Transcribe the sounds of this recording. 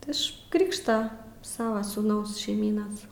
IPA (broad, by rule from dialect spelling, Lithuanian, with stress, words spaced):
tʲɪ ˈɪʃ ˈkrʲɪkʃtɐ ˈsɑːʋɐ suːˈnɐʊs ʃʲɛɪˈmʲiːnɐs